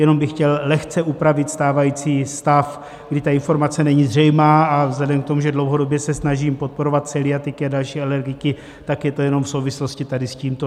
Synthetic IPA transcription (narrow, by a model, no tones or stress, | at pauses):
jɛno̞mbɪxcɛllɛxt͡sɛʔupɾavɪt̪st̪aːvajiːt͡siːst̪af | ɡdɪt̪aɪnfo̞ɾmat͡sɛnɛɲiːzr̝ɛjmaːʔavzlɛdɛmk̚t̪o̞muʒɛdlo̞wɦodo̞bjɛsɛsnaʒiːmpot̪̚po̞ɾo̞vat̪sɛlɪat̪ɪkɪadalʃiːalɛɾɡɪkɪ | t̪akjɛt̪o̞jɛno̞mfso̞wvɪslo̞scɪt̪adɪsciːmt̪o